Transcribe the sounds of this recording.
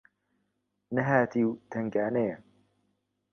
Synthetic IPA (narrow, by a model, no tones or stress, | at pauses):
nɐɦaːt̪ʰiːwt̪ʰɐŋɡaːnejɛ